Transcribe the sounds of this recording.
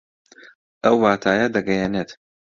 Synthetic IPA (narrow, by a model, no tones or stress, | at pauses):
ʔɐwːaːt̪ʰaːjɐd̪ɐɡɐjenet̪